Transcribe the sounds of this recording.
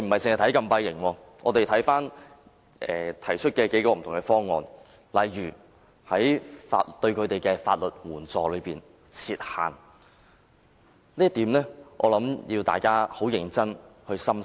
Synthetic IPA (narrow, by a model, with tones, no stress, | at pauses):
jm̩˨˩hɐ˨jsɪ˨ŋhjt̪ʰɐ˨˥jkɐ˧mpɐ˧jjɪ˨˩ŋwɔː˧ | ŋʔɔː˨˧t̪e˨jt̪ʰɐ˨˥jfaː˥n | ʔɛ̰ː˨t̪ʰɐ˨˩jt͡ʃʰɵ˥t̚kɛː˧ke˨˥jkɔː˧m̩ʰ˨˩ʊ˨ŋkɛ˧fɔː˥ŋːɔ̰ː˧n | lɐ˨˩jːyː˨˩ | hɐ˨˥jfa̰ː˧t̚t̪ɵ˧ɥkʰɵ˨˧t̪e˨jkɛː˧faː˧t̚lɵ˨˩t̚wuː˨˩nt͡sɔː˨lɵ˨˧ɥpiː˨n | t͡sʰiː˧t̚ha̰ː˨˩n | liː˥ɐ˥t̪iː˨˥mlɛː˥ʔɔ̰ː˨˧lɐ˨˥mji˧wt̪a̰ː˨jkaː˥ho˨˥wjɪ˨˩ŋt͡sɐ˥nhɵ˧ɥsɐ˥m